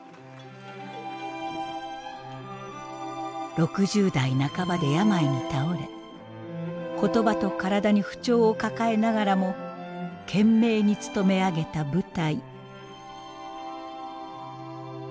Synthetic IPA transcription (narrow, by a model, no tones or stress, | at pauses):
ɾo̞kɯ̟ʑɨːd̪ainakabad̪e̞jamaiɲ̟it̪ao̞ɾe̞ | ko̞t̪o̞bat̪o̞kaɾad̪aɲ̟iɸɯ̟̥t͡ɕo̞ːkakae̞naɡaɾamo̞ | kʰẽ̞mːe̞ːɲ̟it͡sɨ̥t̪o̞me̞aɡe̞t̪abɯ̟t̪ai